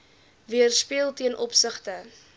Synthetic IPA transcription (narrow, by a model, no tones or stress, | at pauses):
viərspiəlˠtiənʔɔpsəχtə